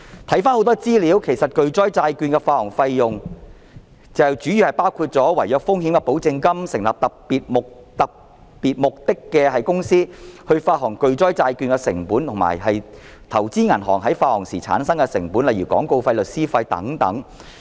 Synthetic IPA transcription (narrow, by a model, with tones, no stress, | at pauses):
t̪ʰɐ˨˥jfaː˥nho˨˧wt̪ɔː˥t͡siː˥liː˨˥wkʰe˨˩jsɐ˨t̚kɵ˨˧ɥt͡sɔː˥jt͡saː˧jkyː˧nkɛː˧faː˧hɔː˨˩ŋfɐ˧jːʊ˨ŋ | t͡sɐ˨wt͡ʃyː˨˥jyː˨hɐ˨jpaː˥wkʰuː˧t̚t͡sɔː˨˥wɐ˨˩jjœː˨˧k̚fʊ˥ŋhiː˨˥mkɛ˧po˨˥wt͡sɪ˧ŋkɐ˥msɪ˨˩ŋlaː˨p̚t̪ɐ˨p̚piː˨t̚mʊ˨k̚ | t̪ɐ˨k̚ | piː˨t̚mʊ˨k̚t̪ɪ˥kːɛː˧hɐ˨jkʊ˥ŋsiː˥hɵ˧ɥfaː˧ɦɔː˨˩ŋkɵ˧ɥt͡sɔː˥jt͡saː˧jkyː˧nkɛ˧sɪ̰˨˩ŋpuː˨˥nt̪ʰʊ˨˩ŋma̰ː˨˩jɦɐ˨j | t̪ʰɐ˨˩wt͡siː˥ŋɐ˨˩nɦɔː˨˩ŋɦɐ˨˥jfaː˧hɔː˨˩ŋsiː˨˩t͡sʰa̰ː˨˥nsɐ˥ŋkɛ˧sɪ˨˩ŋpuː˨˥nlɐ˨jɥyː˨˩kɔ̰ː˨˥ŋko˧wfɐ˧jlɵ˨t̚siː˥fɐ˧jt̪ɐ̰˨˥ŋt̪ɐ̰˨˥ŋ